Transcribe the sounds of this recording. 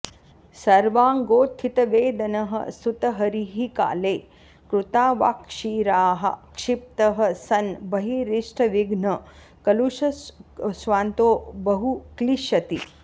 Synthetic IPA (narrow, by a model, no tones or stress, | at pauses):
sɐɾʋaːŋɡoːt̪ʰːit̪ɐʋeːd̪ɐnɐɦɐ̰st̪ʰut̪ɐɦɐɾiɦika̰ːleː | kɾut̪aːʋa̰ːkʂiːɾaːɦɐ̰kʂip̚t̪ɐɦɐ̆sɐnbɐɦiɾiʂʈʰɐʋiɡnɐ | kɐluʃɐsʋaːnt̪oːbɐɦukliʃɐt̪i